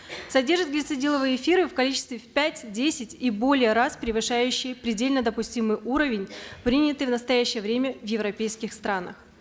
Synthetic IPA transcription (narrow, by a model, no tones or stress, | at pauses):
sɐdʲerʐɨt̪ɡlʲɪt̪sɨdʲilˠəvɨjɪfʲiɾɨfkɐlʲit͡ɕɪ̥st̪vʲɪfʲpʲætʲdʲesʲɪtʲibo̞lʲɪjəɾaspɾʲɪvɨʂajʉɕːɪjpɾʲɪdʲelʲnəd̪əpʊsʲtʲimɨjuɾəvʲɪnʲpɾʲinʲɪt̪ɨjvnəst̪ɐjæɕːɪjəvɾʲemʲəvjɪvɾɐpʲejskʲɪxst̪ɾanə̰x